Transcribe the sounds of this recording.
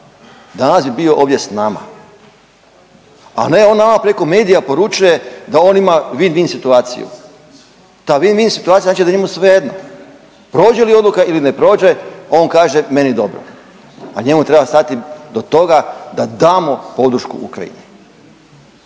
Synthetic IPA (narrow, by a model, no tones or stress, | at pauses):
d̪anasbibio̞ʔo̞ːʋd̪jesnama̰ | a̰ne̞o̞ːnːamapɾeko̞me̞ːd̪ijapo̞ɾut͡ʃuje̞d̪ao̞nimaʋinʋinsit̪uaːt̪sḭjṵ | t̪aːʋinʋinsit̪uat̪ijazat͡ʃid̪aɲemusʋejed̪no | pɾo̞ːd͡ʒelio̞d̪lukailinepɾo̞ːd͡ʒe̞ao̞ːnkaːʒe̞me̞nid̪o̞bɾo̰ | aɲe̞mut̪ɾebast̪at̪id̪ot̪o̞ɡad̪ad̪aːmo̞po̞d̪ɾ̩ʃkṵṵkɾa̰ḭne